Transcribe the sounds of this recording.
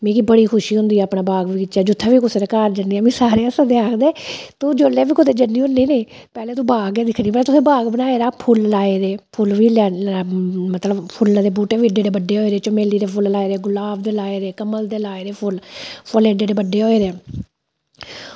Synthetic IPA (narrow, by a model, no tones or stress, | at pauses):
mẽːkibəɽiːkʰʊʃiːɦʊ̃nd̪iːɛəpɳãːbaːɡʋiːɪt͡ʃaːd͡ʒʊt̪ʰːaːʋiːkʊsːɾeːkaːɾd͡ʒəniːɛːmĩːsaːɾeːasəd̪eːaːkʰd̪eːt̪ũːd͡ʒoːleːʋiːkʊd̪eːd͡ʒənːiːɦʊniːnẽː | pɛːleːt̪ũːbaːɡɛːd̪ɪkʰniːbəlːt̪ʊsẽːbaːɡbənaːeːɾaːpʰʊllaːeːɾeːpʰʊlʋiːlaː | mət̪ləbpʰʊld̪eːbuːʈeːʋiːɖeːɖeːbəɖːeːɦoːeːɾeːt͡ʃomeːliːɾeːpʰʊllaːeːɾeːɡʊlaːbd̪eːlaːeːɾeːkəməld̪eːlaːeːɾeːpʰʊlpʰʊleːɖeːɖeːbəɖːeːɦoːeːɾeː